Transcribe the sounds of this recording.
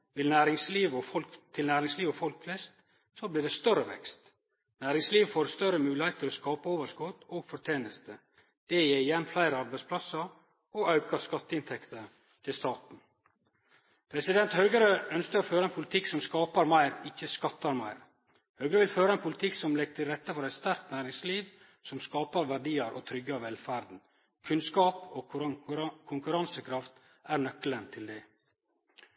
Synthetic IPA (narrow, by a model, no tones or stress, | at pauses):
ʋɪlnæːɾɪŋsliːʋɔfɔlkt̪ʰɪlnæːɾɪŋsliːʋɔfɔlkflɛst̪ | sobliːɖɛst̪œɾəʋɛ̰kst̪ | næːɾɪŋsliːʋfoːɾst̪œɾəmʉːlɪheɪt̪əɾɔskɑːpəoːʋəʂkɔt̪oːɡfɔʈ̪ʰeːnəst̪ə | d̪̥ɛjeːɾɪjɛnflæɪɾəɑɾbæɪspʰlɑsəɾ | ɔɑʉkɑskɑt̪ːəɪnt̪ʰɛkt̪ə | t̪ʰɪlst̪ɑːt̪n̩ | pʰɾɛsɪd̪ɛnt̪hœʏɡəɾəœnskəɾɔføːɾəɛnpʰʊlɪt̪ʰɪksɔmskɑːpəɾmæɪɾɪçəskɑt̪ːɑɾmæɪɾ | hœːɡɾəʋɪlføːɾəɛnpʰʊlɪt̪ʰɪksɔmlɛɡ̚t̪ʰɪɾɛt̪ːəfɔɾæɪt̪st̪æɾk̪næːɾɪŋsliːʋ | sɔmskɑːpəɾʋæɖiːəɾʔo̰ːt̪ʰɾʏɡːəɑʋɛlfæɾd̪n̩ | kʰʉnskɑːpoː | kʰʊŋkʉɾɑnsəkʰɾɑft̪ | æɾɳœklənt̪ʰɪld̪ɛ